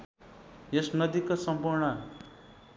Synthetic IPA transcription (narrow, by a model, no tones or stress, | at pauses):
jesnʌd̪ikosʌmpuɾɳʌ